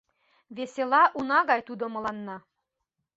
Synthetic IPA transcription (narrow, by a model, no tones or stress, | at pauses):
βeselɑʔunɑɣɑjt̪ud̪omɤ̆lɑnːɑ